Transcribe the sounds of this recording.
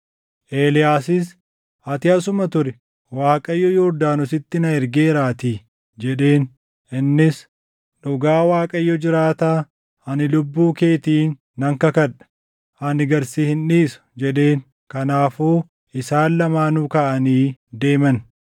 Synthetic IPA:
ʔe̞ːlɪjaːsɪs | ʔɐt̪ɪɐsʊmɐt̪ʊɾɛ | waːkʼɐjːɔjɔɾd̪aːnʊsɪt̪ːɪnɐɛɾɡe̞ːɾaːt̪i | d͡ʒɛᶑe̞ːn | ʔɪnːɪs | ᶑʊɡaːwaːkʼɐjːɔd͡ʒɪɾaːt̪aː | ɐnɪlʊbːuːke̞ːt̪iːnː | ɐŋkɐkɐᶑɐ̥ | hɐnɪɡɐɾsiːhɪnᶑiːsʊ̥d͡ʒɛᶑe̞ːn | kɐnaːfoː | ɪsaːllɐmaːnʊkɐʔɐniːd̪e̞ːmɐn

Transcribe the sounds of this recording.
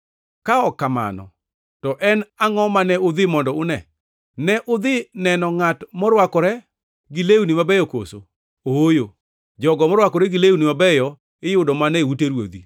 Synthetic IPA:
kaɔkːama̰nɔ̰ | tɔʔɛnaŋɔmanɛʊd̪ɪmɔndɔʊnɛ | nɛʔʊd̪ɪnɛnɔŋatmɔɾwakɔɾɛ | ɡɪlewunimabɛjɔko̰so̰ | oojo | d͡ʒɔɡɔmɔɾwakɔɾɛɡɪlewunimabɛjɔ | ɪjʊdɔmanɛuteɾwo̰d̪i

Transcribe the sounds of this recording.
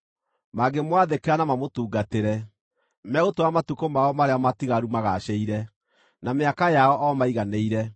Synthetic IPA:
maɡemwaðekeanamamotuːɡateɾɛ | mɛɣotoamatukomaɔmaɾeamatiɣaɾumaɣaɕɛiɾɛ | nameakajaɔʔɔmaiɣaneiɾɛ

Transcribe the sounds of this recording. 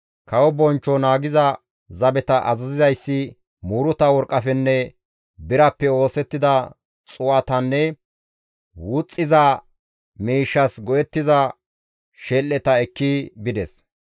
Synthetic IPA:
kɐwɔbɔnt͡ʃːɔnaːɡɪzɐ | zɐbɛt̪ɐʔɐzɐzɪzɐjsːɪ | muːɾʊt̪ɐwɔɾkʼːɐfɛnːɛ | bɪɾɐpːɛo̞ːsɛt̪ːɪd̪ɐ | t͡sʼʊwɐt̪ɐnːɛ | wʊt͡sʼːɪzɐ | miːʃːɐsɡɔjɛt̪ːɪzɐ | ʃɛlːɛt̪ɐɛkːibɪd̪ɛs

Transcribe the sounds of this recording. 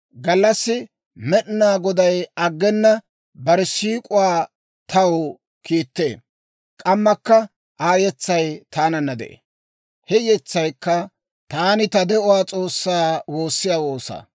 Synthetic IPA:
ɡɐlːɐsːɪ | mɛɗɪnaːɡɔd̪ɐjɐɡːɛnːɐ | bɐɾɪsiːkʼʊwaː | t̪ʰɐwʊ | kiːt̪ːe̞̰ː | kʼɐmːɐkːɐ | ʔaːjɛt͡sːɐjt̪aːnɐnːɐd̪ɛ̰ʔḛː | hɛjɛt͡sːɐjkːɐ | t̪aːnɪt̪ɐd̪ɛʔʊwaːt͡sʼo̞ːsːaːwo̞ːsːɪjaːwo̞ːsa̰ː

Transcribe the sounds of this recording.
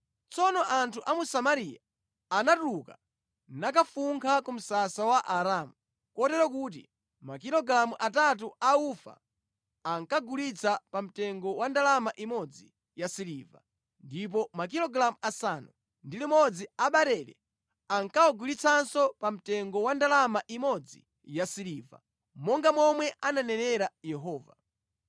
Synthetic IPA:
t͡sɔnɔʔantʰuʔamusamaɾijaː | natuka | nak̬afuŋkʰakum̩sasawaʔaɾamu | kɔtɛɾɔk̬ut̬ḭ | makiɾɔɡɾamuʔatat̬uaufa̰ | aŋkaɡulit͡sʰapam̩tɛŋɡɔwandalamaʔimɔd͡zi | jasiliva̰ | ndip̬ɔmak̬iɾɔɡlamuasanu | ndilimɔd͡ziaɓaɾɛlɛ̰ | aŋkaɔɡulit͡sʰansɔpam̩tɛŋɡɔwandalamaʔimɔd͡zḭ | jasiliva̰ | mɔŋɡamɔmwɛʔananɛnɛɾajɛɦɔːva

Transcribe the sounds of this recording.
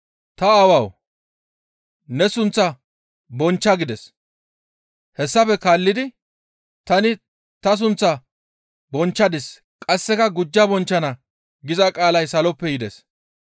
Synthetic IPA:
t̪ɐawɐw | nɛsʊnt͡sːɐ | bɔnt͡ʃːɐɡɪd̪ɛs | hɛsːɐfɛkaːlːɪd̪ɪ | t̪ɐnɪ | t̪ɐs̬ʊnt͡sːɐ | bɔnt͡ʃːɐd̪ɪs | kʼɐsːɛkɐɡʊd͡ʒːɐbɔnt͡ʃːɐnɐ | ɡɪzɐkʼaːlɐjsɐlɔpːɛjɪd̪ɛs

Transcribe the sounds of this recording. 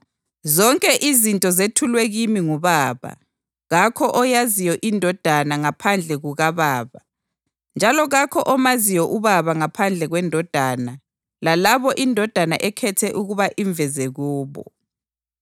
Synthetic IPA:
zɔŋkʼɛʔizintʼɔzetʰulwɛɣimiŋuβaːβa̰ | ɣakʰɔʔɔjazijɔʔindʱɔd̥ʱanaŋapʰand͡ɮʱɛɣuɣaβaːβa | nd͡ʒʱalɔɣakʰɔʔɔmaziwɔʔuβaβaŋapʰand͡ɮʱɛɣwɛndʱɔd̥ʱana | lalaβɔʔindʱɔd̥ʱana̰ʔɛkʰɛtʰɛʔuɣuβaʔiɱvɛzɛɣuːβɔ̰

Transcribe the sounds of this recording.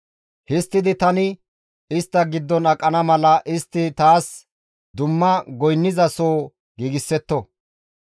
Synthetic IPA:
hɪst̪ːɪd̪ɪt̪ɐnɪ | ɪst̪ːɐɡɪd̪ːɔnɐkʼːɐnɐmɐlɐʔɪst̪ːɪt̪aːs | d̪ʊmːɐɡɔjnːɪzɐsoː | ɡiːɡɪsːɛt̪ːɔ

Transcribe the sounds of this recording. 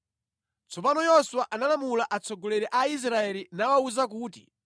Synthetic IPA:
t͡sʰɔpanɔjɔswaʔanalamulaʔat͡sʰɔɡɔlɛɾɛʔais̬ɾaɛlinawauzak̬uːtḭ

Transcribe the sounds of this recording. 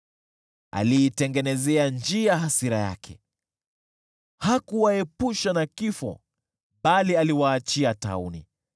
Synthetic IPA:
a̰liːtɛŋɡɛnɛzɛand͡ʒiaɦasiɾaja̰kʰɛ̰ | hakuwaɛpuʃanakifɔ̰ | ɓalialiwaːt͡ʃiata̰unḭ

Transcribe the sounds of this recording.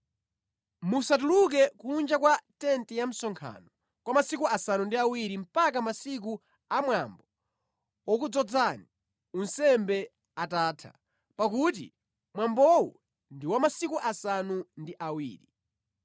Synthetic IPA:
musat̬uluk̬ɛkund͡ʒakwatɛntɛjam̩sɔŋkʰa̰nɔ | kwamasikuʔasanundiawiɾim̩pakamasik̬u | amwambɔ | wɔk̬ud͡zɔd͡zani | unsɛmbɛ | ataːtʰa̰ | pakutḭ | mwambɔwṵ | ndiwamasikuʔasanundiʔawḭːɾi

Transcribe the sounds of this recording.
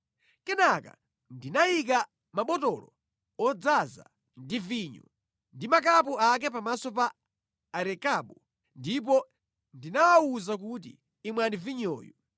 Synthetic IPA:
kɛnaka̰ | ndinajik̬a | maɓɔtɔlɔ̰ | ɔd͡zaza̰ | ndiviːɲɔ̰ | ndimak̬apuak̬ɛpamasɔpaː | ɾɛkaɓu | ndip̬ɔ | ndinawawuzak̬ut̬ḭː | mwaniviɲɔ̰ːjɔ

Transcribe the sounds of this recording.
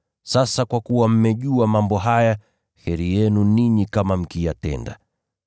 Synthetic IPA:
sasakwakuwam̩mɛʄuamambɔɦaja | hɛɾijɛnuniɲikamam̩kijatɛ̰nda̰

